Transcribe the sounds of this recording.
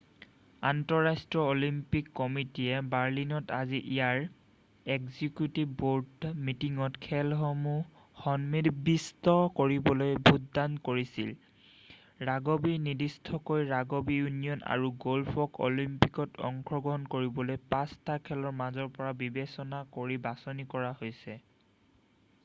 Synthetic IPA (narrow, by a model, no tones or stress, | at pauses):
antɔɹastɹɔolimpikːɔmitijɛbaɹlinɔtaziʔijaɹ | ɛkzikjutibboɹdmitiŋɔtkʰɛlɦɔmu | xɔnmidbistɔkoɹibɔlojbʱutdankoɹisil | ɹaɡobinidistʰɔkojɹaɡobijunijɔna̰ɹuɡolpʰɔko̰limpikɔtʰɔ̰ŋkʰɹɔɡɔɦɔnkoɹibɔlojpastʰakʰɛlɔɹmazɔɹpɔɹabibesɔnakoɹibasɔnikɔɹahojsɛ